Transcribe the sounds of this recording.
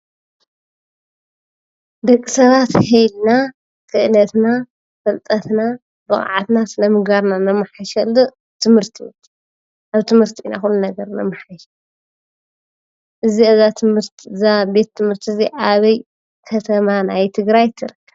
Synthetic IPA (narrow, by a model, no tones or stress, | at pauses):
d̪ɐkʼːisɐβat̪hejlna | kʰɨʔɨnɐt̪na | fɐlt̪ʼɐt̪na | bɨχʼa̰ʕa̰t̪nasɨnɐmɨɡbaɾnanɐmːɨħaʃɐlːu | t̪ʰɨmhɨɾt̪ʰi | ʔaβt̪ʰɨmhɨɾt̪ʰina̰xulːunɐɡɐɾnɐ̰mːɨħaʃɐ | ʔɨziɐzat̪ʰɨmɨɾt̪zabe̞t̪ʰːɨmhɨɾt̪ʰiziʔaβɐj | kʰɐt̪ʰɐmanajt̪ʰɨɡɾajt̪ʰːɨɾɨkʰːɐβ